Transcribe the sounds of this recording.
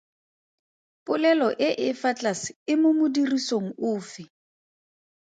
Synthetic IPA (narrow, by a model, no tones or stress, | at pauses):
pʼʊlɛlɔʔɪʔɪfat͡ɬʼasɪ̥ɪmʊmʊdirisoŋ̩ʊːfɪ